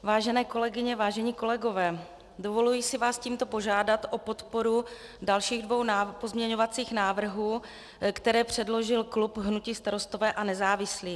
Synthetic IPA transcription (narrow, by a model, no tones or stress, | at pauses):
vaːʒɛnɛːko̞lɛɡɪɲɛvaːʒɛɲiːko̞lɛɡo̞vɛː | dovo̞lujisɪvaːsciːmt̪opo̞ʒaːdat̪ʔopo̞t̪po̞ɾu | dalʃiːɣdvo̞wnapozmɲɛɲovat͡siːxnaːvr̩ɦuː | kt̪ɛɾɛːpr̝̥ɛdlo̞ʒɪlklupɦnuciːst̪aɾo̞st̪o̞vɛːʔanɛzaːvɪsliː